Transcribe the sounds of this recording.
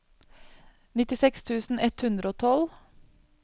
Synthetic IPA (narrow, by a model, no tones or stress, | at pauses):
nɪt̪ɪsɛkst̪ʰʉːsn̩ɛt̪hʉnd̪ɾəoːt̪ʰɔl